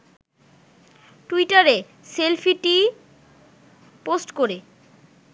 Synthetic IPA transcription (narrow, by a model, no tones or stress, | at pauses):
ʈuiʈaɾe | selfʰiʈi | posʈkoɾe